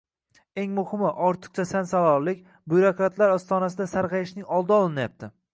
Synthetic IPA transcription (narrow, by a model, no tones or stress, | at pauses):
e̞ŋmʊhɪmɪʔɒɾt̪ʰɨ̥q̚t͡ʃʰasansalˠɒɾlɪkʲ | bujɾokɾat̪ʰlaɾɒst̪ɒnas̬ɪd̪asaɾqɑjɪʃnɪŋɒlˠd̪ɪɒlˠɪnajap̚t̪ʰɪ